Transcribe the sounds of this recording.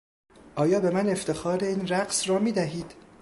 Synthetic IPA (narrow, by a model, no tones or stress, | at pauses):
ʔɒːjɒːbe̞mæne̞ft̪e̞xɒːɾe̞iːnɾæɢsrɒːmiːd̪æɦiːd̪̥